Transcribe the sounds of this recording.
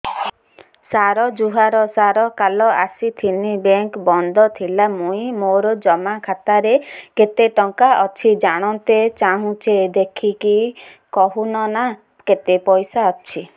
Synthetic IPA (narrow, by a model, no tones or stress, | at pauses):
saɾɔd͡ʒuɦaɾɔsaɾɔkalɔʔasit̪ʰinibeŋkbɔnd̪ʱɔt̪ʰilamũĩmoɾɔd͡ʒɔmakʰat̪aɾeket̪eʈɔŋkaʔɔt͡ʃʰid͡ʒaɽ̃ɔnt̪et͡ʃaɦũt͡ʃed̪ekʰiki | kɔɦunɔna | ket̪epɔjsaɔt͡ʃʰi